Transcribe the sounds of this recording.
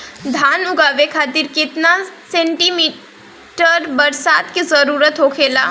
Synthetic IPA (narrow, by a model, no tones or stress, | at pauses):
d̪ʱaːnʊɡaːʋekʰaːt̪iɾkɪt̪nasẽːɳʈimiː | ʈəɾbəɾsaːt̪kizəɾuːɾət̪ɦoːkʰeːla̰ː